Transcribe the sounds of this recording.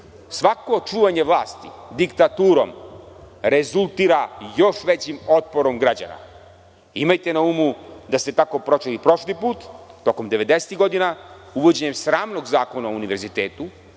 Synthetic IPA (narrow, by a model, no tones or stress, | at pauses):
sʋako̞t͡ʃuːʋaɲeʋlˠaːst̪ḭd̪ikt̪at̪uːɾo̞̰m | ɾe̞zulˠt̪iɾajo̞ʃʋet͡ɕimo̞t̪̚po̞ɾo̞mɡɾad͡ʑa̰na̰ | imajt̪e̞naumud̪ast̪e̞t̪ako̞pɾo̞t͡ʃelipɾo̞ʃlipuːt̪ːo̞komd̪eʋe̞d̪eset̪iɣɡo̞d̪ina | uʋo̞d͡ʑe̞ɲe̞msɾaːmno̞ɡzaːko̞naouniʋe̞ɾzit̪eːt̪u